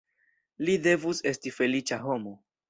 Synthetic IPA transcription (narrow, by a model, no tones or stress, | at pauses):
lide̞vuse̞stife̞lit͡ʃaɦo̞mo̞